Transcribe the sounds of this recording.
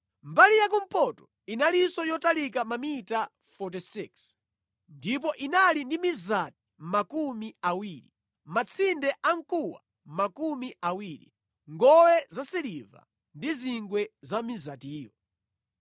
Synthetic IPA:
mbalijak̬um̩pɔtɔ | inalisɔjɔtalikamamita | fɔt̬isiks | ndip̬ɔʔinalindimizati̥makumiawiːi | mat͡sʰindɛʔaŋkuwa̰ | makumiawiːɾḭ | ŋɡɔwɛzasɛliva̰ | ndiziŋɡwɛzamizatiːjɔ

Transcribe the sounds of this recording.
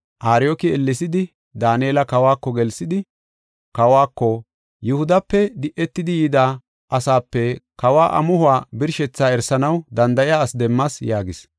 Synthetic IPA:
ʔaːɾɪjokɪɛlːɪsɪd̪ɪ | d̪aːnjeːlɐkɐwaːkːɔɡɛlsɪd̪ɪ | kɐwaːkːɔ | jʊhʊd̪ɐpːɛd̪ɪʔːɛt̪ːɪd̪ɪjiːd̪aː | ʔɐsaːpːɛkɐwaːʔɐ̰mʊhʊwaːbɪɾʃɛt͡sːaːɛɾsɐnɐwd̪ɐnd̪ɐʔɪjaːsd̪ɛmːɐsjaːɡɪs

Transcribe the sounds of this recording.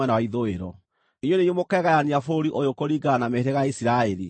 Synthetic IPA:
ɛnawaiðoeɾɔ | ijonejomokɛɣajaniafoɾiʔojokoɾiɡanameɾeɣaisiɾaɛɾi

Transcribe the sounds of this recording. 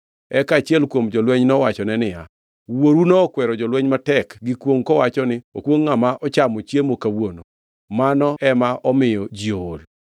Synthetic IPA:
ɛkat͡ʃjɛlkwomd͡ʒɔlwɛɲnɔwat͡ʃɔnɛnɪja | woɾunɔːkwɛɾɔd͡ʒɔlwɛɲmatɛkɡɪkwoŋkɔwat͡ʃɔnɪo̰kwoŋːamaʔɔt͡ʃamɔt͡ʃjemokawono | manɔɛmaʔɔmɪjɔd͡ʒioːl

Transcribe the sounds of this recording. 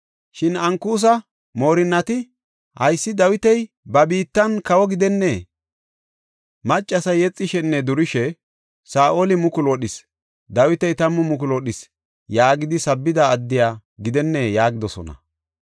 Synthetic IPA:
ʃɪnɐŋkuːs̬ɐ | mo̞ːɾɪnːɐt̪ɪ | hɐjsːɪd̪ɐwɪt̪ɛj | bɐbiːt̪ːɐnkɐwɔɡɪd̪ɛnːe̞ː | mɐt͡ʃʼːɐsɐjɛt͡sʼːɪʃɛnːɛd̪ʊɾɪʃɛ | saːʔoːlɪmʊkʊlɔɗɪs | d̪ɐwɪt̪ɛjt̪ɐmːʊmʊk̬ʊlɔɗɪs | jaːɡɪd̪ɪsɐbːɪd̪ɐːd̪ːɪjaː | ɡɪd̪ɛnːeːjaːɡɪd̪ɔsɔ̰nɐ̰

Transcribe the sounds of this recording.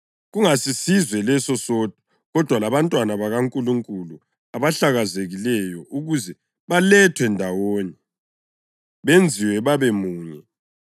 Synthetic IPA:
ɣuŋasisizwɛlɛsɔsɔd̥ʱɔ̥ | ɣɔd̥ʱwalaβantʼwanaβaɣaŋkʼuluŋkʼulu | aβaɬaɣazeɣilɛjɔʔuɣuzɛ | βalɛtʰwɛndʱawoːni | βend͡zʱiwɛβaβemuːɲɛ

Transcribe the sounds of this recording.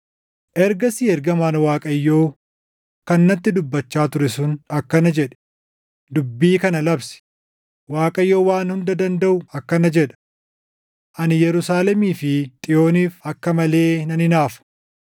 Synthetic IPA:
ʔɛɾɡɐsiːɛɾɡɐmaːnwaːkʼɐjːo̞ː | kɐnːɐt̪ːɪd̪ʊbːɐt͡ʃːaːt̪ʊɾɛsʊnɐkːɐnɐd͡ʒɛᶑɛ̥ | d̪ʊbːiːkɐnɐlɐbsɪ̥ | waːkʼɐjːo̞ːwaːnhʊnd̪ɐd̪ɐnd̪ɐʔʊɐkːɐnɐd͡ʒɛᶑɐ̥ | ʔɐnɪjɛɾʊsaːlɛmiːfɪt̪ʼɪjo̞ːniːfɐkːɐmɐle̞ːnɐnɪnaːfɐ̥

